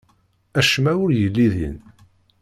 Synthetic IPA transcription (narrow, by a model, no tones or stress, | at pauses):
æʃmæwʊɾjəlːiðḭn